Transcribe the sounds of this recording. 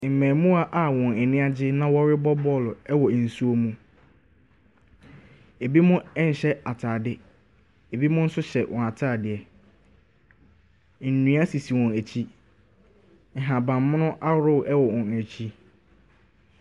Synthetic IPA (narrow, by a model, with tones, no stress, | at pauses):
m̩˨mæ̃˨mũ˦a˦ʔa˨wɔ̃˨nɛ˨nɪ̃˦a˦d͡ʑɪ˦nã˦wɔ˦ɾɪ˦bɔ˦bɔ˦˨lʊ˨ɛ˦wɔ˨n̩˨su˦o˦mũ˦ | e˨bi˦mʊ̃˦ɛ˦n̩˨ɕɛ˦a˨tʰaː˨dɪ˦ | e˨bi˦mʊ̃˦n̩˦sʊ˦ɕɛ˨wʔɔ̃˨a˨tʰaː˦˨dɪ˨ɛ˨ | n̩˨nũ˨˦a˦si˨si˨wɔ̃˨næ˨t͡ɕʰi˦ | ŋ̩˨ɦã˨bã˨mː˦ʊ̃˦nʊ̃˦ʔa˦ɾʊ˦˨ʔɛ˦wɔ˨wɔ̃˨n˨æ˨t͡ɕʰi˦